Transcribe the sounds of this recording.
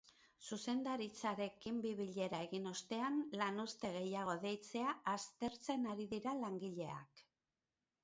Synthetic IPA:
suse̞nd̪aɾit͡saɾe̞kimbiβiʎe̞ɾae̞ɣino̞st̪e̞anlanust̪e̞ɣ̞e̞jaɣ̞o̞ðe̞jt͡se̞aʔːst̪e̞ɾt͡se̞naɾiðiɾalaŋɡiʎe̞a̰k

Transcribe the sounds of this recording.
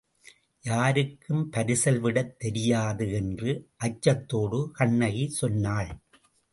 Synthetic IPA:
jaːɾɯkːɯmpɐɾɪsɐlʋɪɽɐt̪ːɛɾɪjaːðɯɛndrɯʔɐt͡ʃːɐt̪ːoːɽɯkɐɳːɐɣisɔnːaːɭ

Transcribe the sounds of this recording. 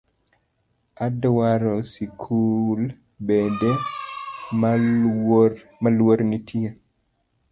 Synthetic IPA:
adwaɾɔsikʰul | bede | m | malwoɾnitʰie

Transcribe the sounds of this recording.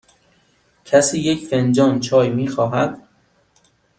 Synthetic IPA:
cʰæsiːjecʰfend͡ʒɒːnt͡ʃʰɒːjmiːxɒːɦæd̪̥

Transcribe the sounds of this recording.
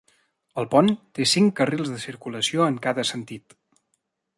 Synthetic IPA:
əlˠpɔnt̪esiŋkərilˠzðəsiɾkuləsioəŋkaðəsənt̪it̪

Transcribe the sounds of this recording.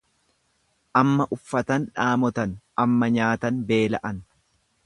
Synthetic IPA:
ʔɐmːɐʔʊfːɐt̪ɐnᶑaːmɔt̪ɐn | ɐmːɐɲaːt̪ɐnbe̞ːlɐʔɐn

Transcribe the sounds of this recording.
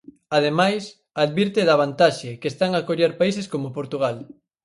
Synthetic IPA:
að̞emajs | aðβiɾt̪eðɐβ̞ant̪aʃɪkest̪aŋakoʎaɾpais̬eskomopoɾt̪uɣ̞al

